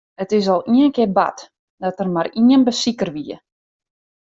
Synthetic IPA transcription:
ətɪs̬ɔlˠiənkɪba̰t | d̥ɔtərmariənbəsikərʋiə

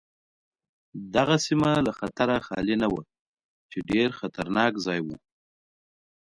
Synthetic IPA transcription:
d̪aɣasimalaxat̪aɾaxɑ̰linawa | t͡ʃeɖeɾxat̪aɾnɑkzɑjwu

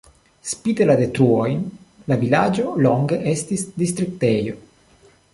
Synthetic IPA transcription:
spit̪elad̪et̪ɾuojnlavilad͡ʒo̞loŋɡeʔest̪isd̪ist̪ɾik̚t̪ejo̞

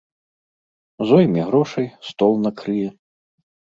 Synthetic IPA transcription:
zɔjmʲiɣɾɔʂɐjst̪ɔlˠnɐkɾɨjɛ

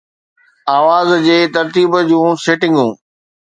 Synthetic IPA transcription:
aːʋaːzd͡ʑeːt̪ɐɾt̪iːbd͡ʑũːseːʈɪ̃ŋɡũː

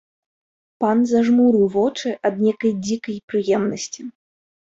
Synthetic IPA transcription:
panzaʐmuɾɨwvɔt͡ʂɨʔɐd̪nʲekɐjd͡zʲikɐjpɾɨjɛmnɐsʲt͡sʲi

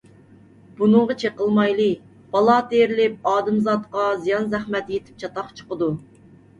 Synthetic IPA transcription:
b̥unɨŋʁɑt͡ʃʰeqəlˠmɑjlˠɨ | b̥ɑlˠɑt̪eɾɪlɪp̚ɑːd̪ɨmzɑt̪qɑzijɑnzæχmɛt̪jet̪ʰɪ̥p̚t͡ʃʰɑt̪ɑχt͡ʃʰə̥qəd̪u

